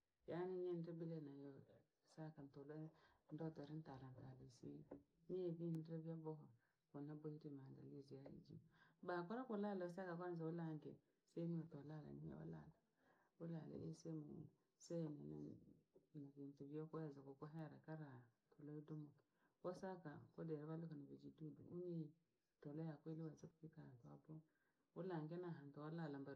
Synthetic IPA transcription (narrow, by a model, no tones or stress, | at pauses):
janiɲenɾibilenajo | sakantolondotoɾintaɾantalisḭ | nijevindevijaboko | konabojiɾimadalizijajḭd͡ʒḭmbakoɾakolalos̬akakaɾz̬awulaŋɡḛ | semiatolala̰niḛwṵla̰la | ula̰lḛʔesemo̰ | senena̰ | nakintuviokoazakokoɦeɾakaɾatʰolojidomoki̥osakakodeɾaβalukanabed͡ʒidudṵuɲe | tolojakweliwasakkikatabo | wulaŋɡenaɦantoalalamba